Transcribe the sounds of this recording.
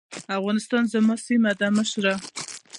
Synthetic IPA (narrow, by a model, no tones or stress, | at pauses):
afɣɑnɪst̪ɑnzamɑsimad̪aməʃɾa